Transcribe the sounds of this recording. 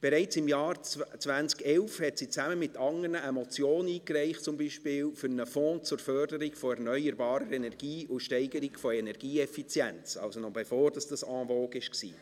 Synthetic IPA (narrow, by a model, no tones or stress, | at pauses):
b̥ɛɾɛɪt͡sɪmjɑːɾt͡sʋænt͡skɛlfhɛtsit͡sæməmɪtːɑŋərnəʔɛmɔt͡sjoːniːkrɛɪχtt͡sʊmbiʃpɪːlfʏɾnəfɔ̃ːt͡sʊɾfœrdəɾikfɔɛɾnœʏəɾbɑːɾəɾɛnɛrɡ̥iːʊʃtɛɪɡəɾiɡfɔɛnɛɾɡ̥iːɛfit͡sjɛnt͡sɑ̰lsonɔbɛfoːɾd̥ɑsd̥ɑsɑ̃ːvoːɡɪʃksḭː